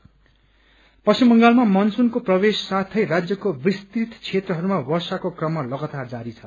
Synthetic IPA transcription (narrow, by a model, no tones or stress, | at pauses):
pʌsimːʌŋɡalmamʌnsunkoprʌbesːat̪ʰʌjrad͡zjʌkobist̪it̪t͡sʰet̪rʌɦʌɾumawʌrsakokrʌmːalʌɡat̪ard͡zaɾit͡sʰʌ̥